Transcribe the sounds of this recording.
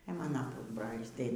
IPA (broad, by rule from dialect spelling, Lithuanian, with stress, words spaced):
ɛ ˈmɑːnɐ ˈpʊzbroːlʲiːs tɐɪ